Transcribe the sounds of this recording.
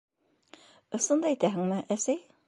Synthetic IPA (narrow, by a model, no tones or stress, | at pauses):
ŏsɤ̆nd̪ɑit̪æɦɘ̆ŋmɘʔæsæj